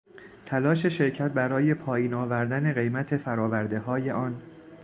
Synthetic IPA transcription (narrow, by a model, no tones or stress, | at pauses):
t̪ʰælɒːʃe̞ʃe̞ɾcʰæt̪̚bæɾɒːje̞pʰɒːjiːnɒːvæɾd̪æne̞ɣe̞jmæt̪ʰe̞fæɾɒːvæɾd̪e̞ɦɒːje̞ʔɒːn